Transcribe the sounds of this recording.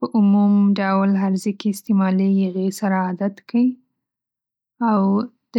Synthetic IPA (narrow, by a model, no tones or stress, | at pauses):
pəʔʊmumɖawlɦaɾzekeɪst̪emɑlejaɣesaɾaːd̪at̪kawi | aw | d̪̥ə